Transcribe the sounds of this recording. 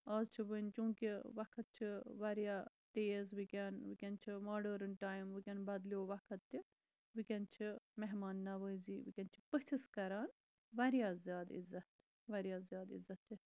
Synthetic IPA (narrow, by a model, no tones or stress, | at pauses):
aːzt͡ʃʰiʋənt͡ʃũːkiʋɐkʰɐt̪̚t͡ʃʰiʋaɾijaː | t̪eːzbikʲaːnʋikʲant͡ʃʰimaːɖəɾɨnʈaːjmʋɨkʲanbɐːd̪lioːʋɐkʰɐt̪ːi | ʋikʲɐnt͡ʃʰimɛɦmaːnːaʋəːjziːʋikʲɐnt͡ʃʰi̥pət͡ʃʰiskɐɾaːn | ʋɐɾjaːzjaːd̪ḭzːɐt̪ | ʋaɾijaːzjaːd̪ḭzːɐt̪i